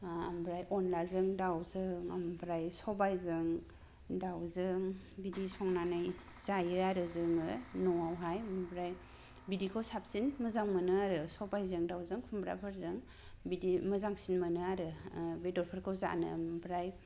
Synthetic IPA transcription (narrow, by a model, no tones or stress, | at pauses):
ambɾajɔnlazɯŋdawzɯŋambɾajsɔbajzɯŋ | dawzɯŋ | bidisɔŋnanaj | z̥ajɯaɾɯzɯŋɯnɔwawɦajmbɾaj | bidikʰɯwsap̚sinməzaŋmənɯaɾɯsɔbajzɯŋdawzɯŋkʰumbɾa̰pʰɯɾzɯŋ | bidiməzaŋsinmɯnɯaɾɯbedɔɾpʰəɾkʰɯwza̰nɯ̰mbɾaj